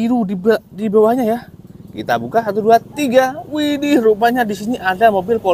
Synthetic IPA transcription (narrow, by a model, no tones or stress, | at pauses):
iɾudibdibawahɲajakḭt̪a̰bukasat̪uduat̪iɡawidirupaɲadisiniʔadamobɪlko